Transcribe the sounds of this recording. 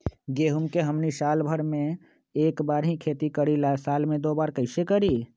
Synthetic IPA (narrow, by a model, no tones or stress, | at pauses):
ɡeːɦumkeɦəmnisaːlbʱəɾmẽ | eːkbaːɾɦĩkʰeːt̪ikəɽilasaːlmẽd̪oːbaːɾkəɪsekəɾiː